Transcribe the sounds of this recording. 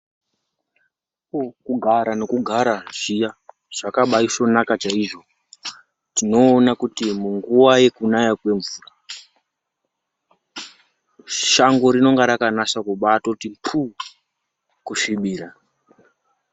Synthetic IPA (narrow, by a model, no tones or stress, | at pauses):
pokuɡʱaɾane̞kuɡʱaɾaʐ̥ija | ʐ̥akaɓaisonakat͡ʃaiʐo̞ | tino̞ːnakutimuŋɡuwaje̞kunajakwe̞ɱvuːra | ʃaŋɡo̞ɾino̞ŋɡaɾakanaʃakuɓatotimpʰu | kuʂiɓiːɾa